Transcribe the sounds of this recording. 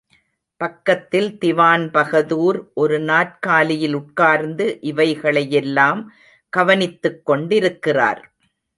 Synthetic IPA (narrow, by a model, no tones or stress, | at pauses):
pɐkːɐt̪ːɪlt̪ɪʋaːnpɐɣɐðuːɾʔɔɾɯnaːʈkaːlɪjɪlʊʈ̚kaːɾnd̪ɯʔɪʋɐɪɣɐɭɐjɛlːaːm | ɡ̥ɐʋɐnɪt̪ːɯkːɔɳɖɪɾɯkːɪra̰ːɾ